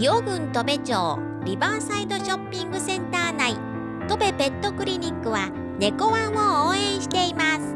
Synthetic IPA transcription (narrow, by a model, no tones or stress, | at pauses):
joɡɯ̟̃nt̪o̞be̞t͡ɕo̰ː | ɾʲibasaid̪o̞ɕopʲːĩŋɡɯ̟sẽ̞nt̪aːnai | t̪o̞be̞bẽ̞nt̪o̞kɯ̟ɾʲiɲʲikːɯ̟βa | ne̞ko̞βãɰ̃ooːẽ̞ɰ̃ɕi̥t̪e̞imasɨ̥